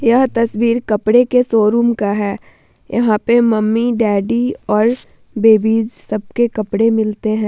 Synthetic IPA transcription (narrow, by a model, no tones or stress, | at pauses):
jɐɦt̪ɐswiːɾkɐpɽekesoːɾuːmkaɦɛː | jɐ̰ɦãpemɐmːiɖɛːɖiɔːɾ | beːbiːd͡ʒsɐb̚kekɐpɽemɪlt̪eɦɛ̃ː